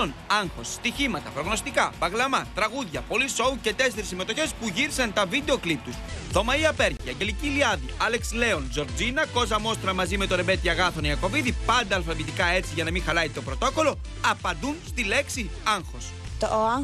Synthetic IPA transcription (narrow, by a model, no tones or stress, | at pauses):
onɐŋxo̞sːt̪içimɐt̪ɐpɾo̞ɣno̞st̪ikɐvɐɣlɐmɐt̪ɾɐɣuðʝɐpo̞liso̞uce̞t̪e̞seɾisːime̞t̪o̞çe̞spuʝiɾisɐnt̪ɐvid̪e̞o̞klip̚t̪usðo̞mɐiɐpe̞ɾciɐɲɟe̞liciliɐðiɐle̞ksle̞o̞nzo̞ɾd͡zinɐko̞zɐmo̞st̪ɾɐmɐzime̞t̪o̞ɾe̞be̞t̪iɐɣɐθoniɐko̞viðipɐnd̪ɐːlfɐvit̪ikɐe̞t͡siʝɐnɐmĩxɐlɐit̪o̞pɾo̞t̪o̞ko̞lo̞ | ɐpɐnd̪unst̪ile̞ksiɐŋxo̞s | t̪o